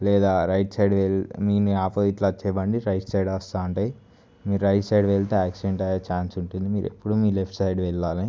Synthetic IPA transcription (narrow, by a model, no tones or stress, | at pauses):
lɛːd̪aːɾɐjʈsɐjɖʋelmiːniaːpɐit̪laːt͡ʃɛːbɐɳɖiɾɐjʈsɐjɖʋɐst̪aːuɳʈaːji | miːɾuɾɐjʈsɐjɖʋeɭt̪eːaːksiɖeɳʈɐjaːt͡ʃaːnsuɳʈund̪imiːɾe̞̰pːuɽumiːlepʰʈsɐjɖʋɛɭːaːli